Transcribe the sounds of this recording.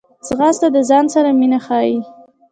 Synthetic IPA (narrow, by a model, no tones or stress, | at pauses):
sɣɑst̪ad̪əzɑnsaɾaminaxɑji